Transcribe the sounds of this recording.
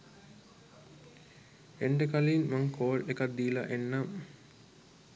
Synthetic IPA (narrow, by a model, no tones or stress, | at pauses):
eɳɖəkaliːnmaŋkʰoːlekat̪̚d̪iːla̰ʔenːam